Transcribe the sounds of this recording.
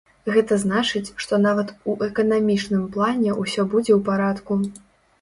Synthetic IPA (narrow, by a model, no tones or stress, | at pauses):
ɣɛt̪ɐzn̪at͡ʂɨt͡sʲʂt̪ɔnavɐt̪uʔɛkɐnamʲit͡ʂnɨmplˠanʲɛʔusʲɔbud͡zʲɛwpaɾat̪ku